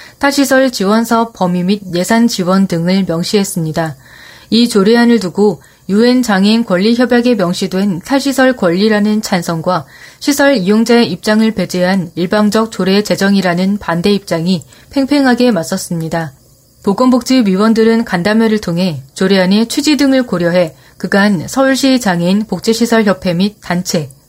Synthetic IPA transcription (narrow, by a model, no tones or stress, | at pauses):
tʰaɕʰisʰʌɭt͡ɕiwʌnsʰap͈ːʌmimid̚je̞sʰant͡ɕiwʌndɯŋɯɭmjʌŋɕ͈ʰiɦe̞s͈ɯmɲida | it͡ɕoɾeɦanɯɭtuɡo | jue̞nt͡ɕaŋinkwʌʎːiçjʌbjaɡe̞mjʌŋɕ͈ʰidwe̞ntʰaɕʰisʰʌɭkwʌʎːiɾanɯnt͡ɕʰansʰʌŋɡwaɕʰisʰʌɭijoŋd͡ʑaeip̚t͡ɕ͈aŋɯɭpe̞d͡ʑeɦaniɭbaŋd͡ʑʌk̚t͡ɕoɾe̞t͡ɕe̞d͡ʑʌŋiɾanɯnpande̞ip̚t͡ɕ͈aŋi | pʰe̞ŋpʰe̞ŋɦaɡe̞mas͈ʌs͈ɯmɲida | poɡwʌnbok̚t͡ɕ͈ʰiɥiwʌndɯɾɯnkandameɾɯɭtʰoŋɦe̞t͡ɕoɾeɦane̞t͡ɕʰid͡ʑidɯŋɯɭkoɾjʌɦe̞ | kɯɡansʰʌuɭɕ͈it͡ɕaŋinpok̚t͡ɕ͈eɕʰisʰʌɭçjʌpʰe̞mit̚t͈ːant͡ɕʰe̞